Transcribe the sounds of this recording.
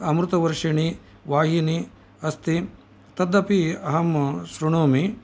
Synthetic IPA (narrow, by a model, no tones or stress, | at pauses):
ɐmɾut̪ɐʋɐɾʂɐɳi | ʋaːɦini | ɐst̪i | t̪ɐd̪ːɐpiɐɦɐmsɾuɳoːmi